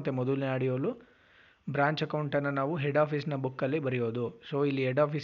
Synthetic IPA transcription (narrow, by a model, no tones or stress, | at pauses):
t̪ːemɔd̪uliaːɽijoːlu | bɾaːɲt͡ʃɐkɐwɳʈɐnːɐnaːʋuɦeɖaːpʰiːsnɐbukːɐlːibɐɾijoːd̪usoːilːiɦɛɖaːpʰiːs